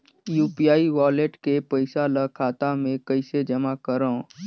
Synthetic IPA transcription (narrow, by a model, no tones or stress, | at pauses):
juːpiaːiʋaːleʈkepɐɪsalakʰaːt̪amẽkɐɪsed͡ʒɐmakəɾõ